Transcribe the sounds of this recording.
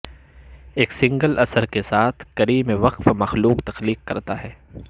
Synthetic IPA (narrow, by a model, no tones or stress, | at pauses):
eːksɪ̃ŋɡəlʔɐsəɾkesaːt̪ʰkɐɾiːmeʋɐqfmɐxluːqt̪ɐxliːqːɐɾt̪aɦɛː